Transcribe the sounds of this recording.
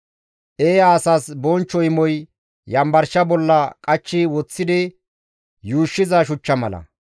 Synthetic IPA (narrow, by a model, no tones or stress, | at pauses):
ʔeːjaːsasbɔnt͡ʃːɔjɪmɔj | jɐmbɐɾʃɐbɔlːɐkʼɐt͡ʃːɪwɔt͡sːɪd̪ɪ | juːʃːɪzɐʃ̬ʊt͡ʃːɐmɐ̰lɐ̰